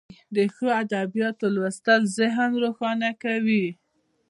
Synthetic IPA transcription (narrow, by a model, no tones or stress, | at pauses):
d̪əxəad̪abjɑt̪olwast̪əlzɪɦnɾoxɑnakawi